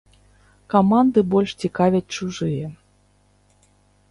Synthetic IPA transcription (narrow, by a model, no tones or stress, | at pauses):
kamand̪ɨbɔlʲʂt͡sʲikavʲat̚ʲt͡ʂuʐɨjɛ